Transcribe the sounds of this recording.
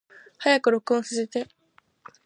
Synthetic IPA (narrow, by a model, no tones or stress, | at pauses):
hajakɯ̟ɾo̞kɯ̟õsɨset̪e̞